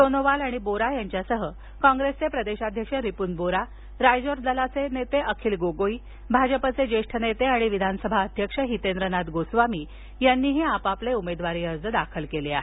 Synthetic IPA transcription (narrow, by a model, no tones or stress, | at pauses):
sonoʋalaɽ̃iboɾajaɲt͡ɕjasəɦə | kɔ̃ŋɡɾest͡sepɾəd̪eɕad̪ʱjəkʂəɾipunboɾa | ɾajd͡zoɾd͡z̪əlat͡senet̪eʔəkʰiːlɡoɡoi | bʱad͡ʑəpət͡sed͡ʑeʂʈʰənet̪eaɽ̃iʋid̪ʱanəsəbʱaəd̪ʱjəkʂəɦit̪end̪ɾənat̪ɡosʋamiː | janːiːɦiapapleumed̪ʋaɾiːəɾd͡zəd̪akʰəlkelea̰ɦe